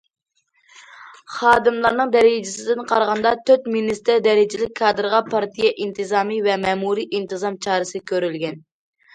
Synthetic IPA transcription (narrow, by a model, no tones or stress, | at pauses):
χɑːd̪ɨmlˠɑɾnɨŋd̪ɛɾɪd͡ʒɪsɪd̪ɪnqʰɑɾʁɑnd̪ɑt̪ʰøt̪minist̪ɪɾd̪ɛɾɪd͡ʒɪlɪk̚ʲkʰːɑːd̪ɾʁɑpʰɑɾt̪ʰijɛʔint̪ɨzɑːmivɛmɛːmuɾiʔint̪ɨzɑmt͡ʃʰɑːɾɨsɨkʲʰøɾylɡʲɛn